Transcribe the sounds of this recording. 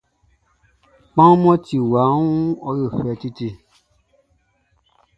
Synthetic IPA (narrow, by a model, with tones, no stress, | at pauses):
k͡pã˦mɔ̃˦ti˨wa˨˦ũ˦ɔ˧ɾe˦˨fɛ˨˧ti˦ti˧